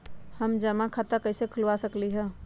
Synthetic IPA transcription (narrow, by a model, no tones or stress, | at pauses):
həmd͡ʒəmakʰat̪akəɪsekʰʊlʋasəkliɦɛ̃ː